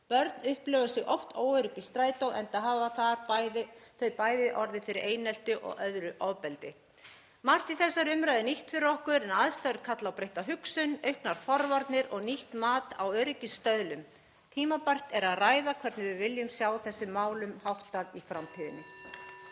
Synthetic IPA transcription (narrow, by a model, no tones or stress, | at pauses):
pœɾt̪nʏhplœvʏ̥sɪɣʔɔft̪ʰoːwœɾʏcist̪ɾaːjt̪owʔɛnt̪aðɦaːvaθaɾðɪθœɥpaːjðɪʔɔɾðɪfɪɾɪɾʔeːjnɛl̥t̪ʏʔɔ̰ɣœðɾʏʔɔwpɛlt̪ɪ | mar̥t̪iθɛsːaɾʏmɾajðɪniht̪fɪɾɔhkʏɾɛnaðst̪aɾɪɾ̥kʰat̪lawpɾejht̪aɦʏksʏnœɥhknaɾ̥fɔɾvaɾt̪nɪɾɔɣniht̪maːt̪awœːɾɪcɪsːt̪œðlʏm | t̪ʰiːmapar̥t̪ɛɾaðraːjðakʰvɛɾt̪nɪvɪvɪljʏmsjaːwθɛsːʏmːaːwlʏmhawht̪aðifɾamt̪ʰiːðɪnːɪ